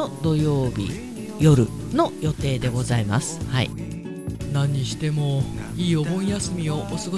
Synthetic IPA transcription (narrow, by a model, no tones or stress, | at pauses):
od̪o̞jo̞ːbʲḭ | jo̞ɾɯ̟ | no̞jo̞t̪e̞ːd̪e̞ɡo̞zaima̰sɨ̥haḭ | nãɲ̟ːiɕi̥t̪e̞mo̞iːobõ̞ĩjasɨmʲioʔːsɨɡo